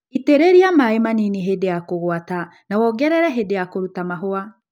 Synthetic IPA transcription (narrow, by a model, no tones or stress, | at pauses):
iteɾeɾiamaemaniniɦedejakoɣwatanawɔɡɛɾɛɾɛɦedejakoɾutamaɦoa